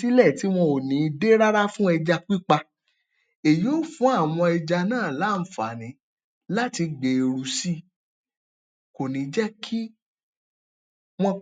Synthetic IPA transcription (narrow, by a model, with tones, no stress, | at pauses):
i˦lɛ˦˨ti˨˦w̃ɔ̃˧o˨nĩ˨˦˧de˦ɾa˦ɾa˦fũ˦ɛ˧d͡ʒa˧k͡pi˦k͡pa˧ | e˨jo˦˨fũ˨˦a˦˨w̃ɔ̃˧ɛ˧d͡ʒa˧nãː˦˨la˨˦˧fa̰˨nĩ˨˦ | la˦ti˧ɡ͡be˨e˨ɾu˨si˦ | ko˨nĩ˨d͡ʒɛ˦kʰi˦ | w̃ɔ̃˧